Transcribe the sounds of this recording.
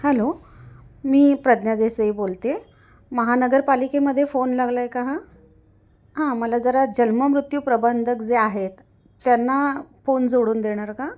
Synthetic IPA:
hɛlo | miːpɾəd̪njad̪esəibolt̪e | məɦanəɡəɾpalikeməd̪ʱːjefonlaɡlajkaɦa | ɦãməlad͡zəɾad͡ʑənməmɾut̪juːpɾəbənd̪ʱək̚d͡zeaɦet̪ː | janːafond͡zoɽuːnd̪eɽ̃aɾka

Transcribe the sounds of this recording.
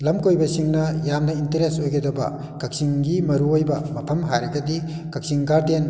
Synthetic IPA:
lɐmkojbɐsiŋnɐjamnɐintɐɾesojɡɐdɐbɐ̰ | kɐk̚siŋɡimɐɾuojbɐmɐpʰɐmɦajɾɐɡɐdi | kɐk̚siŋɡaɾden

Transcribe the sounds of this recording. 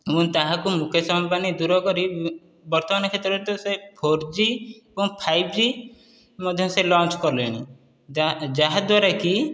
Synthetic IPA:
ebũnt̪aɦãkumukʰjɔsɔmbanid̪uɾɔkɔɾi | bɔɾt̪ɔmanɔkʰet̪ɾɔt̪ɔsepʰoɾd͡ʒibũñpʰajb̚d͡ʒi | mɔd̪ʱjɔ̃mselɔ̃nt͡ʃkɔɾleñi | d͡ʒaɦad̪waɾeki

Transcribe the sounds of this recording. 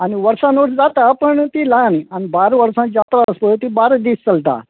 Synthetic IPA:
aniʋəɾsãnoʈʰd͡zat̪apəɳt̪ilãnianibaɾʋəɾsãjat̪ɾaspət̪ibaɾəd̪iːst͡səlt̪a̰

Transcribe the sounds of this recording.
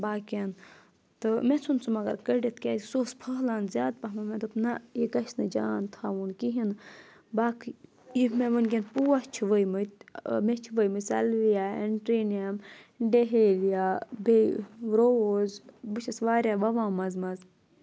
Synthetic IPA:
baːkɐn | t̪ɨmet͡sʰunsʰumɐɡɐ̰ɾkəɖit̪ʰkʲaːt̪soːspʰɐɦlaːnzʲjaːd̪̚pɐɦmɐmẽt̪upnɐikɐʃnɨd͡ʒaːnt̪ʰaːʋunkiɦin | baːkʰ | imeʋɨnk̬ʲenpuwɐt͡ʃʰiʋəjmɨt̪met͡ʃʰiʋəjmɨsɐ̰lʋijaːeɳʈɾiːnijɐmɖeɦeːlijaːbeɾoozbɨt͡ʃʰɐsʋaːɾʲjaːʋɐʋãːmɐzmɐz

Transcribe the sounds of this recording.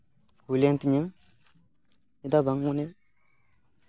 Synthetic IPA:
hulent̪iɲəŋ | id̪abaŋːune

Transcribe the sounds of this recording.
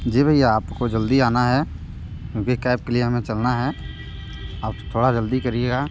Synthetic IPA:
d͡ʒeːbʱəijaaːpkod͡ʒəld̪iaːnaɦɛ | kjũːkikɛːp̚kelieɦəmẽt͡ʃɐlnaɦɛː | aːpt̪ʰoːɽad͡ʒəld̪ikɐɾieːɡaː

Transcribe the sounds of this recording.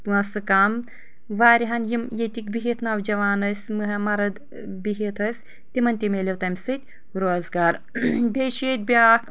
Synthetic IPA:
t̪ɨɐsɨkam | ʋaːɾʲiɦɐnjimjet̪ʲikbʲiɦit̪ʰnɐwd͡ʒɐʋaːnɐsʲmɨɦɐmɐɾɐd̪ | biɦit̪ʰɐsʲ | t̪imɐnʲt̪imʲeːlʲewt̪ɐmʲsɨt̪ʲ | ɾoːzɡaːɾ | bʲeʃeːt̪̚ʲbʲiaːk

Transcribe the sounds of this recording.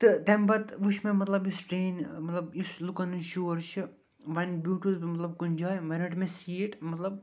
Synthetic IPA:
t̪ɨt̪embɐt̪ʋuʃʰmẽmɐt̪lɐbjusʈɾeːnmɐt̪lɐbjuslukɐnɨnʃuːɾt͡ʃʰɨ | ʋɐnbjuːʈuzbimɐt̪lɐb̚kunʲd͡ʒaːjʋɐnɨʈmẽsiːʈmɐt̪lɐb

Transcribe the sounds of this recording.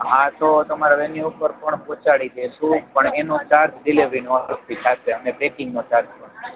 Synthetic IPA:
ɦãt̪ot̪əmaɾaʋeniupəɾpəɳpɔ̃t͡ʃaɽid̪eʃũpəɳenũt͡ʃaɾk̪ɖɪleʋɾinoəɾst̪it̪ʰapeənebekɪŋɡnot͡ʃaɾk̪̚pəɳ

